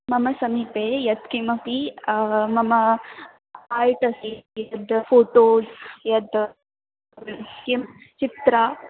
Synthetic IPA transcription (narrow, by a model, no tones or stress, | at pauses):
mɐmɐsɐmiːpejɐd̪kimɐpi | mɐmɐ | aːjʈɐsijɐd̪foːʈoːzjɐd̪ | kimt͡ʃit̪ɾa